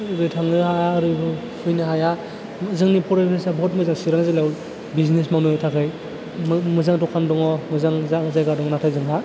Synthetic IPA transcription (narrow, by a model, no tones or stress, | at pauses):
ɾɯtʰaŋɯhajaːɾɯbɯ | pʰujnɯɦaja | zɯŋnipʰɔɾapʰesabʱɔt̚mɯzaŋsiɾaŋzalaw | biznesmawnujtʰakʰɯj | mmɯzaŋtɔkʰandɔŋɔmɯzaŋzaŋɯzajɡadɔŋɔnatʰajzɯŋɦa